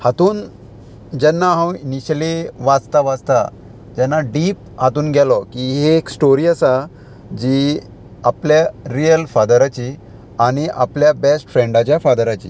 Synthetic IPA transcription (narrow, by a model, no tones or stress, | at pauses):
hat̪uːn | d͡ʑɛnːaɦãwiniɕəliʋad͡zt̪aʋad͡zt̪a̰ | d͡ʑɛnːaɖiːp̚ | hat̪uːnɡʱɛlɔkiɦeːksʈoɾiasa | d͡ʑi | apljaɾijəlfad̪əɾat͡ɕi | aɽ̃iʔa̰pljabesʈfɾɛ̃ɳɖat͡ɕjafad̪əɾat͡ɕḭː